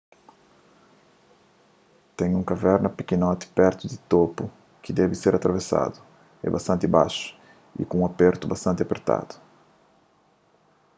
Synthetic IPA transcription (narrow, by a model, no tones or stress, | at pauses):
t̪ẽɲũŋkavɛɾnɐpikinɔt̪ɪ̥pɛɾt̪ʊd̪ɪt̪opʊ | kɪd̪ɛvɪseɾat̪ɾavesa̰d̪ʊ | ɛ̰bast̪ɐ̃nt̪ɪbaʃʊ̥ | ḭkõũapeɾt̪ʊbast̪ɐ̃nt̪ɪapeɾt̪a̰d̪ʊ̥